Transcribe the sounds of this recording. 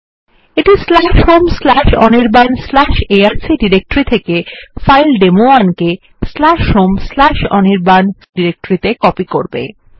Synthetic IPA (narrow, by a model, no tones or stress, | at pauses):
eʈislaʃhomslaʃɔ̰niɾbanslaʃeaɾsiɖiɾek̚ʈoɾit̪ʰekefajlɖemoanke | slaʃɦomslaʃɔ̰niɾbanɖiɾek̚ʈoɾit̪ekɔpikoɾbḛ